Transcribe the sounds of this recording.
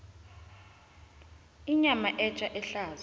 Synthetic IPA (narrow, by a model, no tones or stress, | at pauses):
iɲamaʔɛt͡ʃʼaʔɛɬaːz